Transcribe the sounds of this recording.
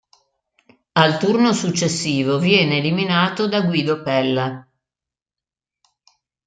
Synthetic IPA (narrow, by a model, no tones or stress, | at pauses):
alt̪urnosut͡ʃːesːiːvovjɛːneːliminaːt̪od̪aɡwiːd̪opɛlːa